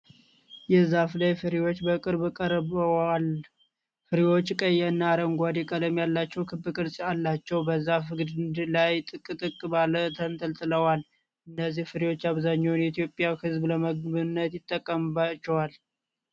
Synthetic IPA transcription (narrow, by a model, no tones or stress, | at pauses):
jɛzaflajfɨɾiwo̞t͡ʃːbəkʼɨɾbɨkʼəɾal | fɨɾiwo̞t͡ʃːkʼəjːɛɨnːaːɾəŋɡʷad̪ɛkʼəd̪əmjalːat͡ʃːɛwkʰɨbɨkʼɨɾsʼialːat͡ʃːɛwbəzafɨɡɨd̪ɨnd̪lajt̪ʼɨkʼɨt̪ʼɨkʼːɨbalət̪ʰənt̪ʰəlt̪ʼɨləwal | ʔɨnːəzːihfɨɾiwo̞t͡ʃːaβzaɲːownjt̪ijo̞pʼjawhɨzbləməɡbɨnːət̪jɪt̪ʼːəkʼːəmbat͡ʃːɛwal